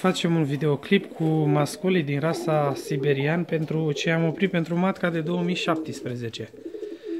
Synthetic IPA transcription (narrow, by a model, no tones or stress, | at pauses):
fat͡ʃe̞munvid̪e̞o̞klipkʰumaskulid̪inɾasasibe̞ɾianpe̞nt̪ɾut͡ʃe̞amo̞pɾit̪̚pe̞nt̪ɾumat̪kad̪e̞d̪o̞womijʃap̚t̪ispɾe̞ze̞t͡ʃe̞